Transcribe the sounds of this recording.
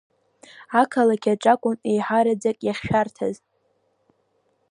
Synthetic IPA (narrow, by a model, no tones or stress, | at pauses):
akʰalakʲʰaʈ͡ʂʼakʷʼʊnejħaɾad͡zakʼjaχʲʃᶣartʰaz